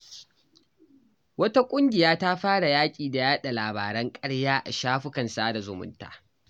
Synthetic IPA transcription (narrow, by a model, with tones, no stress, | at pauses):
wɐ˦ta˦kʷʼʊ˦ŋɡʲɪ˨jaː˦ta˦ɸaː˦ɽa˨jaː˦kʲʼiː˨da˨jaː˦ɗa˨laː˨ba̰ː˨ɾɐ˦ŋkʼɐ˦ɽjaː˦ʔa˨ʃaː˦ɸʊ˦kɐ˨nsaː˦da˨zʊ˨mʊ̰˦nta̰ː˨